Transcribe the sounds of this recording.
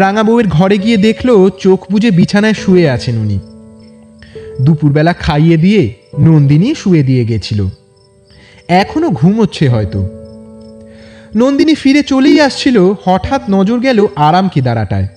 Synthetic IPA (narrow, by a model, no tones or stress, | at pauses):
ɾaŋabobeɾɡʱɔɾeɡijed̪ekʰleot͡ɕokʰbud͡ʑʱebit͡ɕʰanaeʃueat͡ɕʰenuni | d̪upuɾbɛlakʰajed̪ije | nond̪iniʃued̪ijeɡet͡ɕʰilo̰ | ɛkʰonoɡʱumɦotːɕʰeɦɔet̪o̰ | nond̪inifiɾet͡ɕolejaʃt͡ɕʰilohɔʈʰat̪nɔd͡ʑoɾɡɛloʔaɾamkid̪aɾaʈa̰e